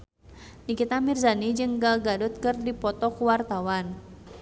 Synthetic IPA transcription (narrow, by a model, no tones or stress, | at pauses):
nikit̪amirzanid͡ʒɨŋɡaɡadʊt̪̚kɨrdipɔt̪ɔkuwart̪awan